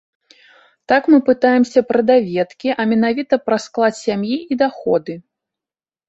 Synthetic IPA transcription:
t̪akmɨpɨt̪ajɛmsʲɐpɾɐd̪avʲɛt̪kʲiʔɐmʲɛnavʲit̪ɐpɾɐsklˠat̪ʲsʲamjiʔid̪axɔd̪ɨ

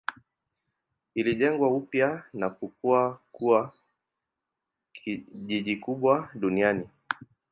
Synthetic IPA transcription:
iliʄɛŋɡwaupjanakukuakua | iʄiʄikuɓwaɗuniani

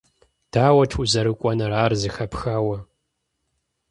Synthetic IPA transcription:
d̥aːwɐtʰuzɐɾɨkʷʼɔnɐɾaːrzɨxɐpxaːwɐ

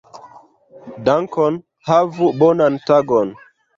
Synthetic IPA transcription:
daŋkɔn | havubɔnantaɡɔn

